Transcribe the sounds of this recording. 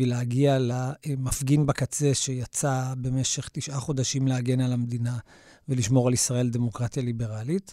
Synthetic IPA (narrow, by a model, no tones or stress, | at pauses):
vileaɡialamafɡinbakat͡se̞ʃe̞jat͡sabe̞meʃe̞χt̪iʃʔaχo̞d̪aʃimleaɡe̞nalamd̪ina | veliʃmo̞ʁalisʁae̞ld̪e̞mo̞kʁat̪jalibe̞ʁalit